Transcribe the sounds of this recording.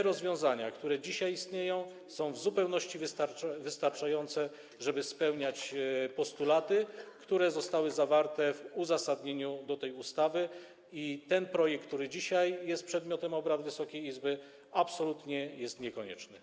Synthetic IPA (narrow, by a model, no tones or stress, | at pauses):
ɛɾɔzvʲjɔ̃w̃zaɲakt̪uɾɛd͡ʑiɕajist̪ɲejɔ̃w̃ | sɔ̃w̃vzupɛwnɔɕt͡ɕivst̪aɾvɘst̪aɾt͡ʂajɔnt̪sɛ | ʐɛbɘspɛwɲat͡ɕpɔst̪ulat̪ɘkt̪uɾɛzɔst̪awɘzavaɾt̪ɛvuzasad̪ɲeɲud̪ɔt̪ɛjust̪avɘ | it̪ɛnpɾɔjɛkkt̪ːuɾɘd͡ʑiɕajjɛst̪̚pʂɛd̪mʲjɔt̪ɛmɔbɾad̪vɘsɔkʲejizbɘ | apsɔlut̪ɲɛjɛst̪ɲɛkɔɲɛ̰t͡ʂnɘ